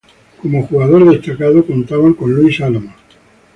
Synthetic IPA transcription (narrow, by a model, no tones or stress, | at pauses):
ko̞moxuɣaðo̞ɾðe̞st̪akaðokont̪aβaŋko̞nluisalama